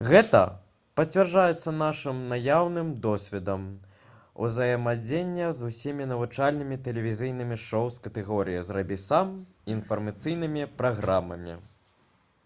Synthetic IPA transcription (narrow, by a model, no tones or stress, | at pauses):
ɣɛt̪ɐ̰ | pɐt͡sʲvʲɛrʐajɛt̪sːɐn̪aʂɨmnajawnɨmd̪ɔsʲvʲɛd̪ɐm | ṵzɐjɐmad͡zʲenʲːɐzusʲimʲinɐvut͡ʂalʲnɨmʲit̪ɛlʲɛvʲizʲɨjnɨmʲiʂɔwskɐt̪ɛɣɔɾɨjizrɐbʲisam | infɐrmat̪sɨjnɨmʲipɾaɣɾamɐ̰mʲḭ